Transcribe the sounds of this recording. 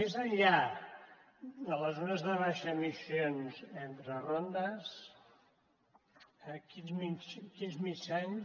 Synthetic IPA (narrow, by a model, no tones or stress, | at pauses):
mezəʎʎa | d̪ələzonəzðəβ̞aʃəmisionzent̪ɾərond̪əs | əkinzmit͡ʃkinzmit͡ʃaɲ